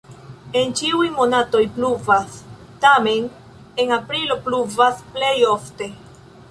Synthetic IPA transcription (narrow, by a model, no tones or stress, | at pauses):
e̞nt͡ʃiujmo̞nato̞jpluvas | tame̞n | e̞ŋapɾilo̞pluvasplejo̞fte̞